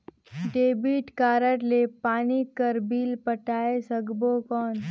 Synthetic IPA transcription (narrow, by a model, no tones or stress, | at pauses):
ɖeːbiːʈkaːɾəʈleːpaːnikəɾbiːlpəʈaːesəɡbokɔːn